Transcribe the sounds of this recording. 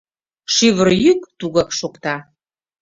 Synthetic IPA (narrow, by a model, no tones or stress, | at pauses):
ʃiβərjykt̪uɣɑkʃokt̪ɑ